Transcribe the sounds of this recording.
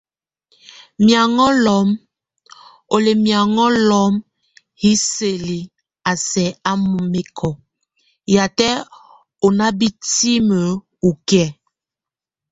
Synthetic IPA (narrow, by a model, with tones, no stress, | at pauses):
mja˨ŋɔ˦lɔ˨˦m | o˨le˨mja˨ŋɔ˦lɔ˨˦m | hi˦se˨li˨ | a˨sɛ˨a˦mu˨me˦kʰɔ˨ | ja˨tɛ˦ | o˨na˦bi˦ti˦mə˨ | u˨ki˦ɛ˨